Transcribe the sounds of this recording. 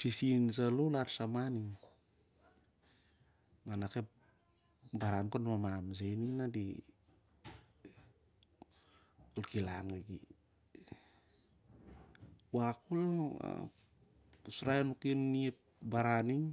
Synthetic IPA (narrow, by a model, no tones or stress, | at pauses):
sisins̬alulaɾsamaniŋ | manakep̚ | baɾankonmamams̬ejninːadi | olkilaŋeki | wakulaa̰ | usɾaenukinːiep̚ | baɾaniŋ